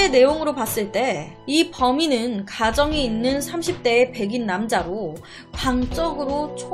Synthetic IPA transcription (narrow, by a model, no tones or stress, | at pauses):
ene̞joŋɯɾopas͈ɯɭt͈e̞ | ipʌminɯnkad͡ʑʌŋiinːɯnsʰamɕʰip̚t͈e̞ːpe̞ɡinːamd͡ʑaɾo | kwaŋt͡ɕ͈ʌɡɯɾot͡ɕʰ